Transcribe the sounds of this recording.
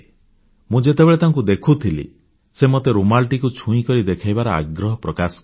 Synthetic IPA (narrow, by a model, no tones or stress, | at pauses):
mũd͡ʒet̪ebeɭet̪aŋk̬ud̪ekʰut̪ʰilḭ | semɔt̪eɾumalʈikut͡ʃʰũĩkɔɾid̪ekʰajbaɾɔa̰ɡɾɔɦɔpɾɔkasɔ̥k